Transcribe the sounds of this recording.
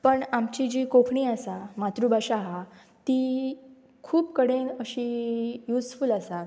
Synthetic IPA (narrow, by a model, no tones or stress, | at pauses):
pəɳamt͡ɕid͡ʑiːkokʰɳiːasamat̪ɾuːbaɕaɦa | t̪iː | kʰuːpkəɽenəɕiːjuːsfulasa